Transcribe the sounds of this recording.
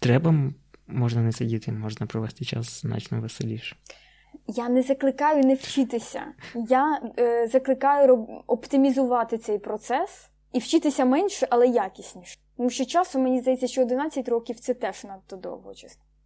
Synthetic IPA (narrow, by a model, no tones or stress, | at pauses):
t̪ɾɛbɐː | ɔʒnɐnɛsɪdʲit̪ɪmɔʒnɐpɾɔʋɛst̪ɪt͡ʃa̰sznɑ̰t͡ʃnɔʋeselʲiʃɛ̥ | janɛzɐklˠɪkɑjʊnɛwt͡ʃɪt̪ɪsʲɐ̰jazɐklˠɪkɑjʊɔpt̪ɪmʲizʊʋɑt̪ɪt̪sɛjpɾɔt̪sɛs | iwt͡ʃɪt̪ɪsʲɐmɛnʲʃɛʔɐlˠɛjakʲisʲnʲiʃt̪ɔmuʃt͡ʃɔt͡ʃɑsʊmmenʲizd̪ɐjɛt͡sʲːɐʃt͡ʃɔːd̪ɪnɑt͡sʲːɐtʲɾɔkʲiwt̪sɛt̪ɛʒnɐt̪ʊd̪ɔ̰wɦɔ̰t͡ʃɐst̪